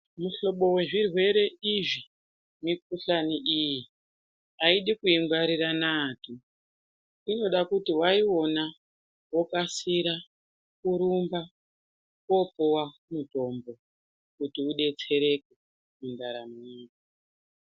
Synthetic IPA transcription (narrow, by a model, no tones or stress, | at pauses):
muɬo̞ɓo̞we̞ʐirwe̞ɾe̞iʐi | mik̚uɬaniʔiji | aiɗikuiŋɡaɾiranaːtʰu | ino̞ɗakutiwaio̞na | wokasiɾa | kuɾumba | ko̞powamuto̞mbo̞ | kutiuɗe̞t͡se̞ɾe̞k̚e | mundaɾamuɲiːka